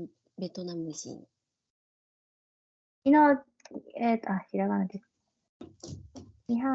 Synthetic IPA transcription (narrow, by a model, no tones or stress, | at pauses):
bet̪onamisḭn | ino | et̪aɕiɾaɡanad̪es | iɦa